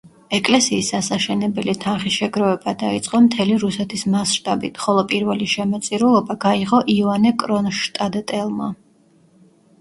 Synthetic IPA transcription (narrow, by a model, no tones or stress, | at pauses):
ɛkʼlɛsiːsasaʃɛnɛbɛlit̪ʰanχisʃɛɡɾɔvɛbad̪ait̪sʼqʼɔmt̪ʰɛliɾusɛt̪ʰismasʃt̪ʼabḭt̪ʰχɔlˠɔpʼiɾvɛliʃɛmɔt̪sʼiɾulˠɔbaɡaiʁɔʔianɛkʼɾɔnʃt̪ʼad̪ɛt̪ʼɛlˠma̰